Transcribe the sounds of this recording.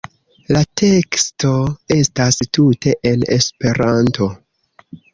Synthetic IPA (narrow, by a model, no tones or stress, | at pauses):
latʰe̞ksto̞e̞stastutʰe̞ʔe̞ne̞spe̞ɾanto̞